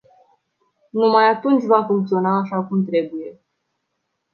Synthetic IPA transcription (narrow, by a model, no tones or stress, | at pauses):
numajat̪unt͡ʃʲvafuŋk̚t̪sio̞naːʃakumt̪ɾe̞buje̞